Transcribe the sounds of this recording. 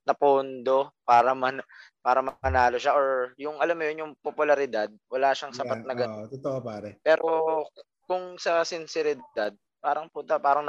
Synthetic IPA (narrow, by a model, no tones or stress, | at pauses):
nɐpoːnd̪o̞paːɾɐmɐnpaːɾɐmɐpɐnaːlo̞ʃaʔoɹjʊŋʔɐlamːojonjʊŋpopʊlɐɾɪd̪ad̪̚wɐlaːʃaŋsɐpat̪̚nɐɡɐt̪ot̪oʔopaːɾɛpɛːɾo̞ | kʊŋsɐsɪnsɛɾɪd̪ad̪̚ | paːɾɐŋpʊnt̪ɐpaːɾɐŋn